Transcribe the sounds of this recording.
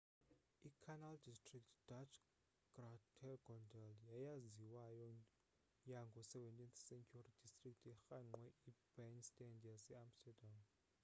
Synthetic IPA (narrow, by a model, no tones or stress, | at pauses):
ikʰanaldistʼriktʰd̥at͡ʃʰ | ɡ̥ratʰɛɡɔndɛljajaziwajɔ | jaŋɡʱɔsɛvɛntʼinθsɛnkʰʼuarid̥istʼrik̚tʰɛxaŋ͡ǃwɛibɛnstʼɛndjasɛamstɛdam